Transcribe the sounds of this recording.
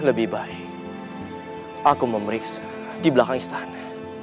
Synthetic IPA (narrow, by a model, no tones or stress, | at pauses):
ləbɪhbaɛk | akuməməɾiksḁ | dibəlakaŋist̪ana